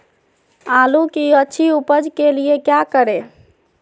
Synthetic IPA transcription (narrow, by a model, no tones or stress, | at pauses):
alukiətːʃʰiupəd͡ʒkeliekjakəɾe